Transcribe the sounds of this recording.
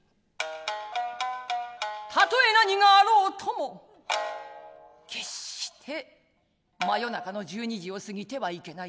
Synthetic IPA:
t̪ʰat̪o̞e̞naɲiŋaːɾo̞ːt̪ʰo̞mo̞ | kʰe̞ɕi̥t̪ʰe̞ | majo̞nakano̞ʑɨːɲ̟iʑio̞sɨɡʲit̪e̞βaike̞na

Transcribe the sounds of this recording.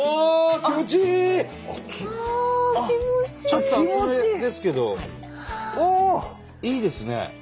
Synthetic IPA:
okʲimot͡ɕi | iot͡ɕt͡ɕot̪ːoimed̪e̞sɨ̥ke̞d̪o̞ | o | iːd̪e̞sɨne̞̰

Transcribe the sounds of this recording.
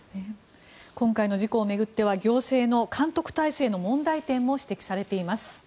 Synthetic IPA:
e | kõ̞ŋkaino̞ʑiko̞ːme̞ɡɯ̟t̪ːe̞βaɡʲo̞ːse̞ːno̞kʰãnt̪o̞kɯ̟̥t̪aise̞ːno̞mõ̞nd̪ait̪ẽ̞mːo̞ɕi̥t̪e̞kʲi̥saɾe̞t̪e̞imasɨ̥

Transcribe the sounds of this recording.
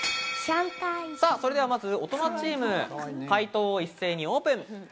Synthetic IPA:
ɕãŋkaisaːso̞ɾe̞d̪e̞βamazɨo̞t̪o̞nat͡ɕiːmɯ̟kait̪o̞ːisːe̞ːɲ̟io̞ːpɯ̟̃ŋ

